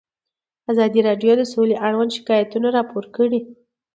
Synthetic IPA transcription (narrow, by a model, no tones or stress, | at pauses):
azɑd̪iɾɑɖjod̪əsoleʔaɽwand̪ʃɪ̥kɑjat̪unaɾɑpʰoɾkəɽi